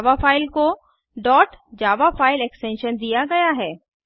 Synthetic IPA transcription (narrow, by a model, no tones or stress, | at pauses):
ʋafaːɪlko | ɖɔːʈd͡ʒaːʋafaːɪlɛksʈɛ̃nʃənd̪ijaɡɐjaɦɛː